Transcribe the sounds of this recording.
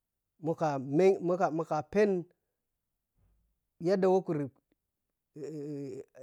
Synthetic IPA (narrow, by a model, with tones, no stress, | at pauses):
mu˨ka˨me˦mu˦ka˨mu˨ka˨pe˦n | ja˦da˨wa˦ku˨ɾ